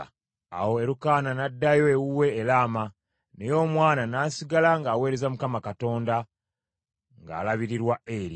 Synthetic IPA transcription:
a̰wo̞e̞ɾukaːnanadːajo̞ewuwe̞ːlaːma | ne̞jo̞ːmwaːnanaːsiɡalaŋɡaːwe̞ːɾe̞zamukamakato̞ːnda | ŋɡa̰ːlaβiɾiɾwae̞ɾi

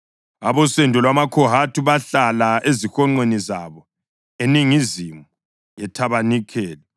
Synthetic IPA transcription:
a̰βɔsɛndʱɔlwamakʰɔɦatʰuβaɬalaezixɔŋ͡ǀenizaβɔ | eniŋizimu | jɛtʰaβanikʰɛːlɛ

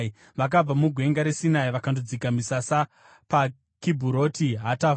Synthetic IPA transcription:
ʋak̬ab͡vamuɡʱwe̞ŋɡaɾesinaiʋakandod͡zikamisasa | pa | kibʱuɾo̞tiɦata

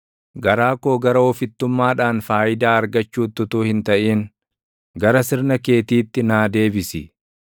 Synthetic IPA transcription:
ɡɐɾaːkoːɡɐɾɐɔfɪt̪ːʊmːaːᶑaːnfaːʔɪd̪aːɐɾɡɐt͡ʃːuːt̪ːʊt̪uːhɪnt̪ɐʔiːn | ɡɐɾɐsɪɾnɐke̞ːt̪iːt̪ːɪnaːd̪e̞ːbɪsɪ

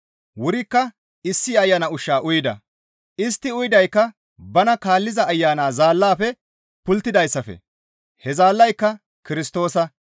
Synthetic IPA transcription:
wʊɾɪkːɐ | ɪsːɪɐjːanɐʊʃːaːʔʊjɪd̪ɐ̰ | ʔɪst̪ːɪʊjd̪ɐjkːɐ | bɐnɐkaːlːɪzɐːjːaːnaːzaːlːaːfɛ | pʊlt̪ːɪd̪ɐjsːɐfɛ̰ | hɛzaːlːɐjkːɐ | kɪɾɪst̪o̞ːsɐ

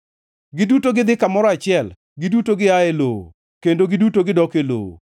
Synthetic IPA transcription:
ɡɪdutoɡɪd̪ɪkamɔɾɔat͡ʃɪɛl | ɡɪdutoɡɪaeloo̰ | kendoɡɪdutoɡɪdɔkelo̰o̰

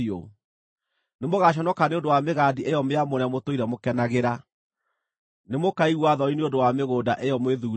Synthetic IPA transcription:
o | nemoɣaɕ̬ɔnɔkaneondowameɣadiʔejɔmeamoɾɛmotoiɾɛmokɛnaɣeɾa | nemokaiɣwaðɔineondowameɣoːdaʔeɔmweðuː

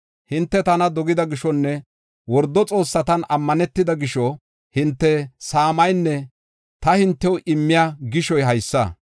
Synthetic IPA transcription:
hɪnt̪ːɛt̪ɐnɐd̪ɔɡɪd̪ɐɡɪʃɔnːɛ | wɔɾd̪ːɔt͡sʼo̞ːsːɐt̪ɐnɐmːɐnɛt̪ːɪd̪ɐɡɪʃɔ | hɪnt̪ːɛsaːmɐjnːɛ | t̪ɐhɪnt̪ːɛwʊʔɪmːɪjaɡɪʃɔjɦɐjsːɐ̰

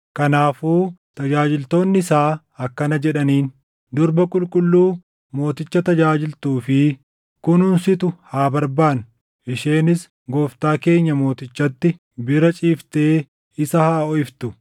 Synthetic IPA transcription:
kɐnaːfuːt̪ɐd͡ʒaːd͡ʒɪlt̪o̞ːnːɪsaː | ɐkːɐnɐd͡ʒɛᶑɐniːn | d̪ʊɾbɐkʼʊlkʼʊlːuː | mo̞ːt̪ɪt͡ʃːɐt̪ɐd͡ʒaːd͡ʒɪlt̪uːfɪ | kʊnhʊnsɪt̪ʊhaːbɐɾbaːn | ʔɪʃeːnɪs | ɡoːft̪aːke̞ːɲːɐmo̞ːt̪ɪt͡ʃːɐt̪ːɪ | bɪɾɐt͡ʃʼiːft̪eː | ɪsɐhaːɔɪft̪ʊ

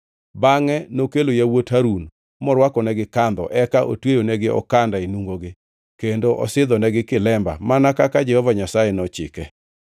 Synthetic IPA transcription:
baŋɛnokelojawothaɾun | mɔɾwakɔnɛɡɪkand̪ɔ̰ʔɛkaʔo̰twejonɛɡɪɔ̰kandaenuŋɡoɡɪ | kendoʔɔ̰sɪd̪ɔnɛɡɪkɪlɛmba̰manakakad͡ʒɛhɔvaɲasajɛnɔt͡ʃɪ̰kɛ

